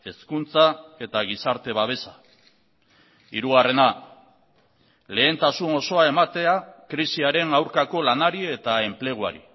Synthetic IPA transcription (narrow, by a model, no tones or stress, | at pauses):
e̞skunt͡sae̞t̪aɣ̞isaɾt̪e̞βaβ̞e̞sa | ḭɾuɣare̞na | le̞ːnt̪asuno̞so̞ae̞mat̪e̞akɾisiaɾe̞nawɾkako̞lanaɾie̞t̪ae̞mple̞ɣ̞ua̰ɾḭ